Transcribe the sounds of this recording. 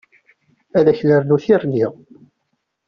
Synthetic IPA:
æðæçləɾnuθirniʁ

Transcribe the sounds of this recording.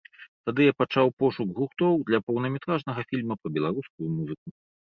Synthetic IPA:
t̪ad̪ɨjapat͡ʂawpɔʂuɡɣuxt̪ɔwd̪lʲɐpɐwnɐmʲɛt̪ɾaʐnɐɣɐfʲilʲmɐpɐbʲɛlˠaɾuskujumuzɨk̚u

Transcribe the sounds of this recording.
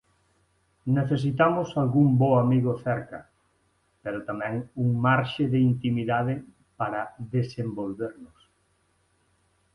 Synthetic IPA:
neθes̬it̪amʊsalɣuŋboamiɣʊθɛɾkɐ̰ | peɾot̪amɛ̃ŋuŋmaɾʃɪðɪint̪imiðaðɪ | paɾɐðesembolβeɾnʊs

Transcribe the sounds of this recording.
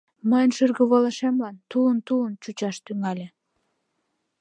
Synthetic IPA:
məjənʃyrɣəβoləʃemlɑnt̪uənt̪uənt͡ɕut͡ɕɑʃt̪yŋɑlʲe

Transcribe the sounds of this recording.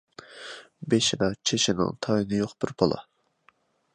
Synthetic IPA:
beʃɪd̪ɑt͡ʃʰeʃinɪ̰ŋt̪ʰɑjinɪjoqbɪɾbʰɑlˠɑ̰

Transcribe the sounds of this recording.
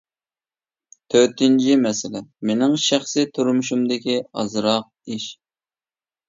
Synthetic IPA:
t̪ʰøt̪ɪnt͡ʃʰimɛsɪlɛmenɪŋʃæχsɪt̪ʰuɾmuʃumd̪ɪkʲiɑ̰zɾɑq̚iʃ

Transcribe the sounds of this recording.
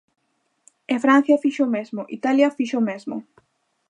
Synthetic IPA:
efɾãn̟θjɐfiʃomezmʊʔḭt̪aljɐfiʃomezmʊ̰

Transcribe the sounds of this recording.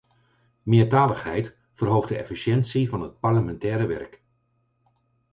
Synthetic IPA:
mɪːɹtaːləχɦɛjt | fərɦowχdəɛ̰fiʃɛntsivɑnɦət̚pɑɹləmɛntɛːɾəʋɛ̰ɹk

